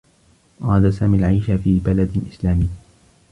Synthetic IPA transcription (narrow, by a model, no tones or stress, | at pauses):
ʔɑɾˤɑd̪asaːmiːalʕajʃafiːbalad̪ɪlʔɪslaːmiː